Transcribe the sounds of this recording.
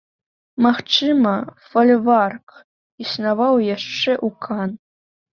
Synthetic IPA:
maxt͡ʃɨmɐfɐlʲvark | isnavɑwjaʂt͡ʂɛʔukʰɑn

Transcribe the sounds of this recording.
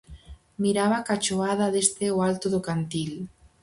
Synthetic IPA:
miɾaβakat͡ʃoaðaðest̪eoalt̪ʊðʊkant̪il

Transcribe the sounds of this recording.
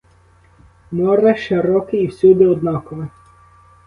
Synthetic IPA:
mɔɾɛʃeɾɔkɪːwsʲud̪ɛɔd̪̚nɑkɔmɪ

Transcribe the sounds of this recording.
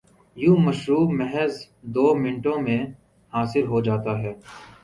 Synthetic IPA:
jũːmɐʃɾuːbmɛɦɛz | d̪oːmɪ̃ɳʈõmẽ | haːsɪlɦod͡ʒaːt̪aɦɛː

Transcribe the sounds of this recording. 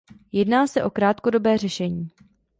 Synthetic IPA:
jɛdnaːsɛʔo̞kɾaːt̪ko̞do̞bɛːr̝ɛʃɛɲiː

